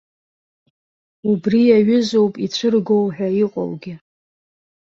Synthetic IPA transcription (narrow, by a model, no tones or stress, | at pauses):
ubrijaɥʊzo̞wpʼit͡ɕʷʰɨrɡo̞wħᶣaiqʼo̰wɡʲɪ